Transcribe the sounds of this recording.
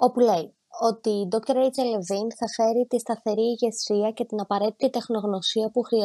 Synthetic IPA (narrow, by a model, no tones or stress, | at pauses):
o̞pule̞i | o̞t̪iːd̪o̞k̚t̪oɾejt͡selevinθɐfe̞ɾit̪ist̪ɐθe̞ɾiːʝe̞siɐce̞t̪inɐpɐɾe̞t̪i̥t̪it̪e̞xno̞ɣno̞siɐpuxɾi